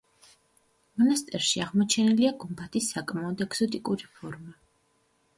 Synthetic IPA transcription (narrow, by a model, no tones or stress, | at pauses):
mɔnast̪ʼɛɾʃiaʁmɔt͡ʃʰɛniliaɡumbʰat̪ʰisːakʼmaɔd̪ɛksɔt̪ʼikʼuɾipʰɔɾma